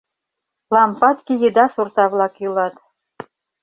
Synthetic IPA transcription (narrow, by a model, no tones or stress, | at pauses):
lˠɑmpɑt̪kʲijɘd̪ɑsurt̪ɑβlˠɑkjulˠɑt̪